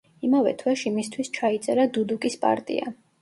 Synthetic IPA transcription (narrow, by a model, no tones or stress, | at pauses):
imavɛ̰t̪ʰwɛʃimist̪ʰwist͡ʃʰait̪sʼɛɾad̪ud̪ukʼispʼa̰ɾt̪ʼḭa̰